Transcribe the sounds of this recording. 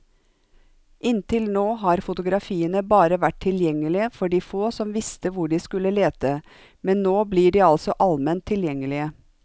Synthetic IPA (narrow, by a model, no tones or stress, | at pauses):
ʔɪnt̪ʰɪlnoːɦɑɾfʊt̪ʊɡɾɑfiːənəbɑːɾəʋæʈ̚ʰɪljɛŋːəlɪəfɔɖiːfoːsɔmʋɪst̪əʋʊɖiːskʉləleːt̪ə | mɛnnoːbliːɖiːɑlsɔʔɑlmɛnt̪ʰːɪljɛŋːəlɪə